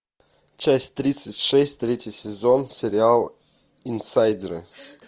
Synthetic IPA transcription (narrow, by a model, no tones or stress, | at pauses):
t͡ʃasʲtʲt̪ɾʲit̪sətʲʂɛsʲtʲt̪ɾʲetʲjəsʲɛzɔnsʲeɾʲɪalˠ | insajd̪ʲɪɾə̰